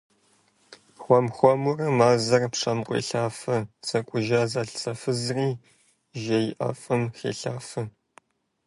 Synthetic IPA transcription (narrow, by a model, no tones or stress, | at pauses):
xʷɔmxʷɔmʊrɐmaːzɐrpʂɐmqʷʼḭːɬaːfɐt͡sʼɐkʷʼʊʒaːzaːɬt͡sɐfɨzriː | ʒɐjɪʔɐ̰fʼɐmxḛːɬaːfɨ